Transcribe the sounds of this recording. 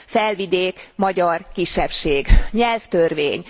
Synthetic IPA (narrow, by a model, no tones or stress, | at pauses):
fɛlvid̪eːkmɒɟɒrkiʃːɛpʃeːɡɲɛlft̪ørveːɲ